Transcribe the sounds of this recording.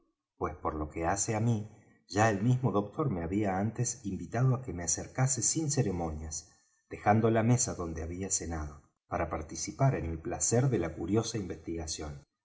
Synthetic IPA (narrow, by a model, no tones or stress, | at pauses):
pwe̞spo̞ɾlo̞ke̞aseami | ʒaelmizmo̞ðo̞k̚t̪o̞ɾmeaβiaant̪esimbit̪að̞oake̞measeɾkasesinseɾemo̞njas | d̪̥e̞xand̪o̞lame̞saðo̞nd̪eaβiase̞nað̞o̞ | paɾapaɾt̪isipaɾe̞nelplaseɾðe̞lakuɾjo̞saimbe̞st̪iɣasjo̞n